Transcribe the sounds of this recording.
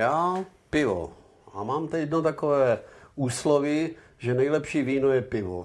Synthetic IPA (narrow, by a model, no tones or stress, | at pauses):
jaː | pɪvo̰ | amaːmt̪ɛjɛd̪not̪akovɛːuːslovɪ | ʒɛnɛjlɛpʃiːviːnojɛpɪvo̰